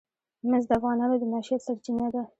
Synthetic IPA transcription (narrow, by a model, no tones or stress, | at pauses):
mɪzd̪əafɣɑnɑnod̪ənɑʃijɑt̪saɾt͡ʃinad̪a